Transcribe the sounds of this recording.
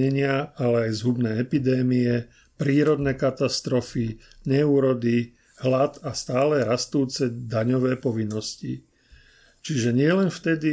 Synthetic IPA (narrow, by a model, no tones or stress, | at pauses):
ɛɲɪaalɛajzɦubnɛːɛpid̪ɛːmiɛ | pɾiːɾɔd̪nɛːkat̪ast̪ɾɔfiɲɛuːɾɔd̪i | ɦlat̪ast̪aːlɛɾast̪uːt͡sɛd̪aɲɔʋɛːpɔʋinːɔscḭ | t͡ʃiʒɛɲɪɛlɛnft̪ɛd̪i